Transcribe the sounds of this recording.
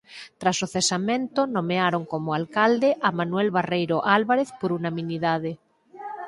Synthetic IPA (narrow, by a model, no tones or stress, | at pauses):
t̪ɾasoθesamẽnt̪onomeaɾoŋkomoalkald̪eʔamanuwɛlβarejɾoʔalβaɾeθpoɾunamĩniðað̞e